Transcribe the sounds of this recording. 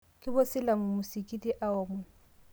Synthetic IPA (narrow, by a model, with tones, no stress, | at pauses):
kʼɪ˦bʊ˦sɪ˦la˨mʊ˨mʊ˨si˨kʼi˦tʼi˦ʔa˦ɔː˨mɛ˨